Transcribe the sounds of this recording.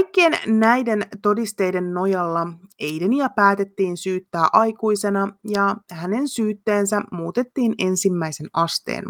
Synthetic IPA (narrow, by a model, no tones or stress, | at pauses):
jkːiennæjde̞nt̪o̞dist̪e̞jde̞nːo̞jɑlːɑe̞jdeniɑpæːt̪e̞t̪ːiːnsyːt̪ːæːʔɑjkuise̞nɑjɑhæne̞nsyːt̪ːeːnsæmuːt̪e̞t̪ːiːne̞nsimːæise̞nɑst̪ḛːn